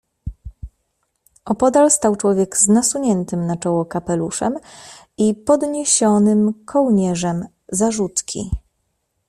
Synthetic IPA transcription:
ʔɔpɔd̪alst̪awt͡ʂwɔvʲjɛɡznasuɲɛnt̪ɘmnat͡ʂɔwɔkapɛluʂɛm | ipɔd̪ɲeɕɔnɘmkʰɔwɲɛʐɛm | zaʐut̪kʲḭ

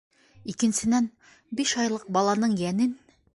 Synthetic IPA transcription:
ikɘ̆nsɘ̆næn | biʃɒjlˠɤq̚bɒlˠɑnɤɴjænɘn

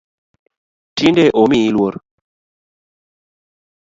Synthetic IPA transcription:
tindeʔomiilwoɾ

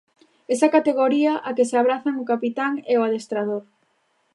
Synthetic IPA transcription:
esɐkat̪eɣoɾiɐʔakeseaβ̞ɾaθɐŋʊkapit̪aŋeoaðest̪ɾaðoɾ

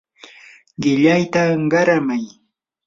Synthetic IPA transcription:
ɢɪʎajt̪aɢɑɾamaj

